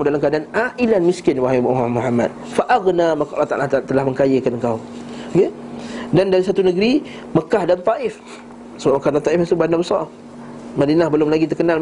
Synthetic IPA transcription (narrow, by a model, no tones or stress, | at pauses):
dalamkadanaʔilanmiskɪnwaɦajbamuɦamːa̰d̚faʔaɣnamakaʔlat̪a̰ʔlat̪at̪əlahməŋkajəkanəŋkawkedandaɾisat̪unəɡɾi | məkahdant̪aʔɪf | səbaʔ̚məkahdant̪aʔɪfast̪ubanabəsɑr | madinahbəlʊmlaɡit̪ərkənal